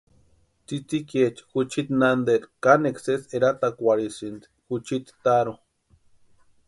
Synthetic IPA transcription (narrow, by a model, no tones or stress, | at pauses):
t͡sit͡siket͡ʃxut͡ʃit̪nand̪eɾkanekseseɾat̪akʷaɾisint̪i̥xut͡ʃit̪t̪aɾo